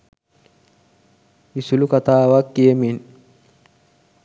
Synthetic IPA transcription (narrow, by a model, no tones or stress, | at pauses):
ɪsʊlʊkɐt̪aːwakːiɛmin